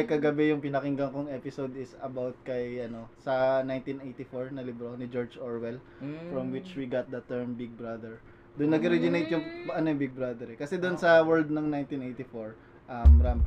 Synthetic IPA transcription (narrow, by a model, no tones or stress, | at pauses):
jkɐɡɐbɛjʊŋpɪnɐkɪŋɡɐŋkoŋʔɛpɪsod̪ɪsɐbawt̪̚kɐjʔɐno̞sɐnajnt̪inʔejt̪ɪfoɹnɐlɪbɾonɪd͡ʒoɹd͡ʒʔoɹwɛl | fɾɐmwɪt͡ʃwiɡat̪̚d̪ɐt̪ɛɹmbɪɡ̚bɹɐd̪ɛɹ | d̪ʊnːɐɡɐɾɛd͡ʒɪnejt̪̚jʊŋʔɐnojʊŋbɪɡ̚bɾad̪ɛɾɛkɐsɛd̪ʊnsɐwɛɹld̪̚nɐŋnajnt̪inʔejt̪ɪfoɹ | ʔɐmːɐɾam